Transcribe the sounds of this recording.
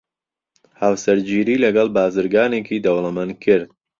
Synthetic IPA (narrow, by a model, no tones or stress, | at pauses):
hawsɐɾd͡ʒiːɾiːlɐɡɐlˠbaːzɨɾɡaːneːkʰiːd̪ɐwlˠɐmankʰɨɾd̪̚